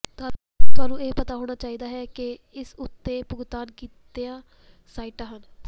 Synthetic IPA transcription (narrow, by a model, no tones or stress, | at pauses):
t̪ʊaːnũːeːpət̪aːɦoːɽ̃aːt͡ʃaːiːd̪aːɦɛːkɪ | ɪsʊt̪ːeːpʊɡt̪aːnkiːt̪eːãː | saːiːʈãːɦən